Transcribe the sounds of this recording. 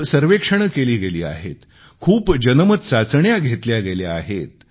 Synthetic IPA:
səɾʋekʂəɳ̃əkeliːɡeliːa̰ɦḛt̪ | kʰuːpd͡ʑənəmət̪sat͡sɳjaɡʱet̪ljaɡeljaaɦet̪

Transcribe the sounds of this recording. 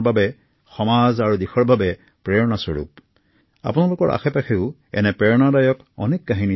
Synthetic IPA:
babɛ | xɔmazaɹudixɔɹbʱabɛ | pɹɛɹɔnasɔɹṵp | a̰punalʊkɔɹʔa̰xɛpakʰiʊ | ɛ̰nɛpɹɛɹnadajɔk | ɔ̰nekːaɦini

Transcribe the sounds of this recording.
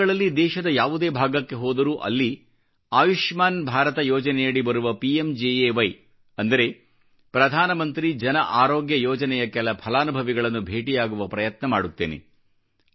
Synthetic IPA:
ɐɭɐlːid̪ɛːʃɐd̪ɐjaːʋud̪e̞ːbʱaːɡɐkːe̞ɦɔːd̪ɐɾuːʔɐ̰lːi | aːʋiʂmaːnbʱaːɾɐt̪ɐjɔːd͡ʒɐnɛjɐɭibɐɾuʋɐpiemd͡ʒeːeːʋɐj | ɐnd̪ɐɾe̞ | pɾɐd̪ʱaːnɐmɐnt̪ɾid͡ʒɐnɐʔaːɾoːɡjɐjɔːd͡ʒɐnɛjɐkɛlɐpʰɐlaːnubʱɐʋiɡɐɭɐnːubʱe̞ːʈijaːɡuʋɐpɾɐjɐt̪nɐma̰ːɽut̪ːeːnḛ

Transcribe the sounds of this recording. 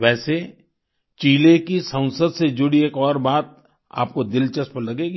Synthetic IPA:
ʋɛːse | t͡ʃiːlekisə̃w̃səd̪sed͡ʒʊɽieːkɔːɾbaːt̪̚ | a̰ːp̚kod̪ɪlt͡ʃɐspəɾlɐɡeːɡi

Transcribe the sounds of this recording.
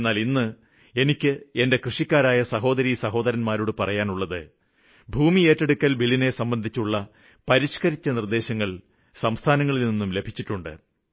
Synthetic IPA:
nːaːlinːɨ | e̞nikʲːɨe̞nde̞krɨʂikʲːaːɾaːjɐsɐɦo̞ːd̪ɐɾiːsɐɦo̞ːd̪ɐɾɐnmaːɾuɽɨpɐrɐjaːnuɭːɐðɨ̰ | bʱuːmie̞ːtːe̞ɽukːɐlbilːine̞sɐmbɐnd̪ʱit͡ɕːuɭːɐ | pɐɾiɕkɐɾit͡ɕːɐnird̪e̞ːɕɐŋːɐɭ | sɐmst̪ʰaːnɐŋːɐɭilninːumle̞bʱit͡ɕːiʈːuɳɖɨ̰

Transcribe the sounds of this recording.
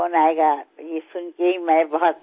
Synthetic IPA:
onaeɡajesʊnkeɦimɛ̃bɔɦɔt̪̚

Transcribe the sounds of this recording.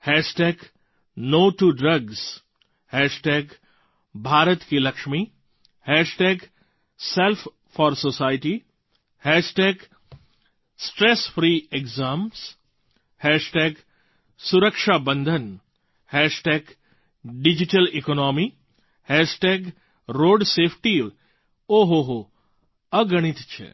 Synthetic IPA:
hɛːsʈeːɡ | noːʈuɖɾɐɡz | hɛːʃʈeːɡ | bʱaːɾət̪kilɐkʃmi | hɛːʃʈeːɡ | selpʰ | fɔːɾsosaːɪʈi | hɛːsʈeːɡ | sʈɾesfɾiːekzaːms | hɛːʃʈeːɡ | suɾəkʃaːbə̃nd̪ʱən | hɛːʃʈeːɡ | ɖid͡ʒiʈəlikonɔːmi | hɛːʃʈeːɡ | ɾoːɖseːpʰʈi | oːɦoɦo | ɐɡɐɽ̃it̪t͡ʃʰḛ

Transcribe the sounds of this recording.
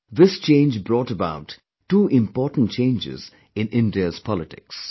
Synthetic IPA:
ðɪst͡ʃẽɪ̃nd͡ʒbɾɔːʈəbaʊʈː | uːʔɪ̃mpɔːʈə̃n̩t͡ʃẽɪ̃nd͡ʒɪ̰z̥ | ɪ̃nɪ̃ndiəz̥pʰɔlɪʈɪ̰ks

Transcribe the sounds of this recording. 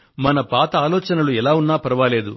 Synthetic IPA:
mɐnɐpaːt̪ɐaːlɔːt͡ʃɐnɐluɛlaːunːaːpɐɾɐʋaːle̞ːd̪ṵ

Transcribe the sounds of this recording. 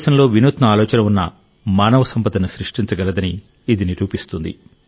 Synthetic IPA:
sɐnlo̞ːʋinuːt̪nɐaːlɔːt͡ʃɐnɐunːɐ̰ | maːnɐʋɐsɐmpɐt̪ɐnusɾiʂʈiɲt͡ʃɐɡɐlɐd̪ɐniː | d̪iniɾuːpist̪und̪ḭ

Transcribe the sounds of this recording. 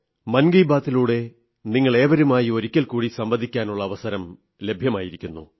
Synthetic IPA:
mɐnɡɐjbaːt̪ːiluːɽe̞ | niŋːɐɭe̞ːʋɐɾumaːjio̞ɾikʲːɐlkuːɽisɐmbɐnd̪ʱikʲːaːnuɭːɐːʋɐsɐɾɐm | le̞bʱjɐmaːjiɾikʲːunːṵ

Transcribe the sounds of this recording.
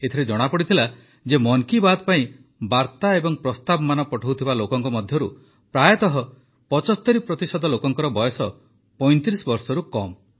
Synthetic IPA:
et̪ʰɔɾed͡ʒɔɽ̃apɔɽit̪ʰila | d͡ʒemɔŋkibad̪paĩ | baɾt̪aebɔŋpɾɔst̪abɔmanɔpɔʈʰowt̪ʰibalokɔŋkɔmɔd̪ʱjɔɾu | pɾajɔt̪ɔɦɔ | pɔt͡ʃɔst̪ɔɾipɾɔt̪isɔd̪ʱɔlokɔŋkɔɾɔbɔjɔsɔ | pɔjnt̪ɾisɔbɔɾsɔɾukɔm

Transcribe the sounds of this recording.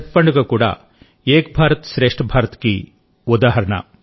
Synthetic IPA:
ʈ̪̚pɐɳɖuɡɐkuːɽɐ̰ | eːkbʱaːɾɐt̪ʃɾeːʂʈɐbʱaːɾɐt̪ki | ud̪aːɦɐɾɐɳɐ̰

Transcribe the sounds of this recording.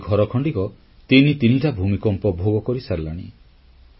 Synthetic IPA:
ɡʱɔɾɔkʰɔɳɖikɔ | t̪init̪iniʈabʱumikɔmpɔbʱoɡɔkɔɾisaɾlaɽ̃ḭ

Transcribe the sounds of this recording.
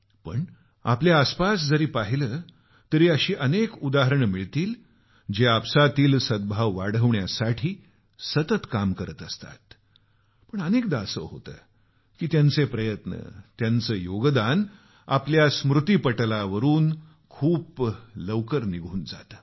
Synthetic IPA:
pəɳ | apljaːspasd͡zəɾiːpaɦiləː | t̪əɾiːəɕiːʔənekud̪aɦəɾəɳmiɭt̪iːl | d͡ʑeapsat̪iːlsəd̪̚bʱaʋːaɽ̤əʋɳjasaʈʰiː | sət̪ət̪kamkəɾət̪əst̪a̰t̪ | pəɳənek̚d̪aːsə̰ʋɦo̰t̪ə̰ː | kiːt̪jant͡sepɾəjət̪nə̰t̪jant͡səːjoɡd̪an | a̰pljasmɾut̪ipəʈlaʋəɾuːn | kʰuːpləʋkəɾniɡʱuːnd͡za̰t̪ə

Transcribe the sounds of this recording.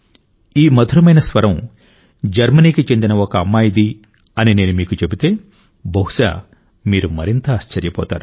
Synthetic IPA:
iːmɐd̪ʱuɾɐmɐjnɐsʋɐɾɐm | d͡ʒɐɾmɐniːkit͡ʃe̞nd̪inɐɔkɐːmːaːjid̪i | ɐnine̞ːnumiːkut͡ʃe̞but̪e̞ː | bɐɦuʃa̰ː | miːɾumɐɾint̪ɐːʃt͡ʃɐɾjɐpɔ̰ːt̪a̰ːɾu

